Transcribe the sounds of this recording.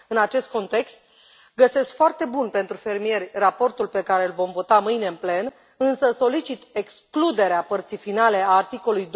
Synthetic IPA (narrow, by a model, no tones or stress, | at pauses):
ɨnat͡ʃe̞st̪̚ko̞nt̪e̞kst̪ | ɡəse̞skfoart̪e̞bunpe̞nt̪ɾufe̞rmije̞rʲrapo̞rt̪ulpe̞kaɾe̞ɨlvo̞mvo̞t̪amɨjne̞ɨnple̞n | ɨnsəso̞lit͡ʃit̪e̞ksklud̪e̞ɾeapərt̪sijfinale̞aːrt̪iko̞lujd̪